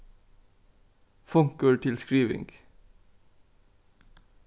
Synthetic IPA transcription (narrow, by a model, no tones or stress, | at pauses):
fʊŋkəɹʈʰɪlskɹiːʋɪ̰ŋɡ̥